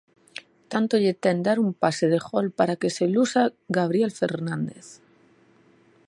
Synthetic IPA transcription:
t̪ant̪oʎet̪end̪aɾumpase̞ð̞e̞xo̞lpaɾake̞se̞lusaɡaβ̞ɾie̞lfe̞ɾnãnd̪e̞θ

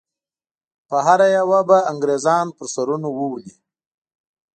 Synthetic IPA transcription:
pəɦaɾajawabaaŋɡɾezɑːnpəɾsaɾunowəwli

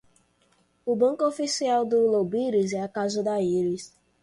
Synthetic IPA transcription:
ʊbɐ̃ŋkʊofisiawd̪ʊlobiɾizɛakazʊd̪aiɾis

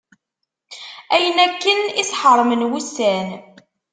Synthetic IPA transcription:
æjənækːənisħəɾˤmənwusæn

